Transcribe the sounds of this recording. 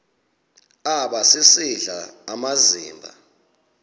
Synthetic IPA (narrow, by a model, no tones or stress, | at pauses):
aɓasisiɮaːmazḭːmbʱa̰